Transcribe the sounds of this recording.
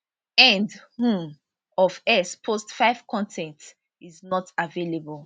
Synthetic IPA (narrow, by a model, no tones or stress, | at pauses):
ɛ̃ndhũm | ɔvɛspʰostfaɪv̥kʰɔ̃ntʰɛ̃nt | iznɔtavelebəlˠ